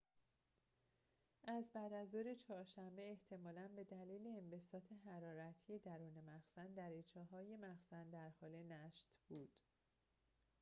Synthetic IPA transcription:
ʔæzbæːd̪æzd̪oɾet͡ʃʰɒːɾʃæmbe̞ːht̪ʰe̞mɒːlænbe̞d̪æliːleːmbe̞sɒːt̪ʰe̞ɦæɾɒːɾæt̪ʰije̞d̪æɾuːne̞mæxsænd̪æɾit͡ʃʰɒːɦɒːje̞mæxsænd̪æɾhɒːle̞næʃt̪b̥uːd̪̥

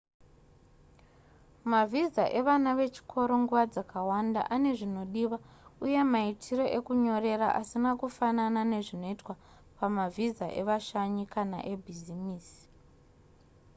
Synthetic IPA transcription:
mavʱizaʔe̞ʋanaʋe̞t͡ʃi̥kʰo̞ɾo̞ŋɡuʋad͡zakʰawanda̰ʔane̞ʐino̞ɗiʋauje̞maitʰiro̞ʔe̞kuɲo̞ɾe̞raʔasinakufananane̞ʐino̞itwa | pamavizaʔe̞̰ʋaʃaɲikana̰ʔe̞bʱizimiːsi̥

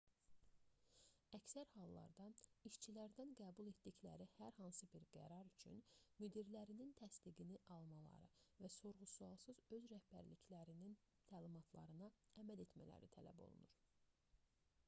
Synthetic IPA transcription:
æcsæɾhɑlˠːɑ̰ɾd̪ɑiʃt͡ʃʰilæɾd̪ænɡæːbulˠe̞t̪d̪içlæ̰ɾihæɾhɑnsɯbiɾɡæ̰ɾɑɾyt͡ʃʰy̰nmyd̪iɾlæɾinint̪ʰæsd̪iɡiniʔɑlˠmɑlˠɑ̰ɾɯ̰væso̞ɾʁusuɑlˠsɯzø̞zɾæhbæ̰ɾliclæɾinin | t̪ʰæːlimɑt̪ʰlˠɑ̰ɾɯnɑæmæle̞t̪mæ̰læ̰ɾḭt̪ʰælæ̰bo̞̰lˠṵnuɾ

